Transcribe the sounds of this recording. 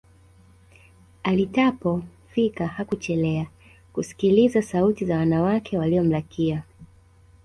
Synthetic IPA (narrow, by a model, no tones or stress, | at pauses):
alitapɔfikahakut͡ʃɛlɛa | kusi̥kilizasautizawanawakʰɛwaliɔm̩lakʰia